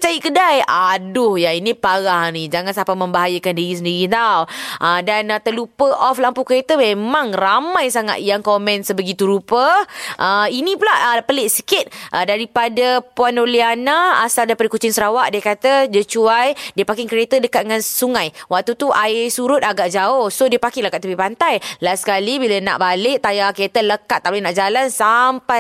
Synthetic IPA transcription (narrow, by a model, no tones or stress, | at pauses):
t͡ʃajiʔkədajadʊhjainĩpaɣahnid͡ʒaŋansapamə̃mbaɦajəkandiɾisəndiɾit̪awʔədant̪əlupəʔɔflampukəɾet̪əmẽmãŋramãjsaŋa̰t̪̚jaŋkɔmɛ̃nsəbəɡit̪uɾupəʔəinĩpulahəpəlɪʔsəkɪt̪̚ʔədaɾipadəpuanolianaa̰saldaipadəkut͡ʃɪŋsəɾawaʔdiəkat̪ədət͡ʃuajdiəpakɪŋkɾiet̪ədəkat̪̚ŋãnsuŋãjwak̚t̪ut̪uʔaɪsuɾʊt̪̚aɡaʔd͡ʒaʊhsodiəpakɪŋləkat̪t̪ubipant̪ajlasə̥kalibiləna̰ʔbalɪʔt̪ajakɾet̪ələkat̪̚ːalenaʔd͡ʒalansampaj